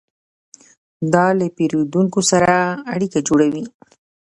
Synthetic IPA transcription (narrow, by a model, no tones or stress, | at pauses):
d̪ɑlapeɾod̪uŋkosaɾaːɽikad͡ʒoɽawi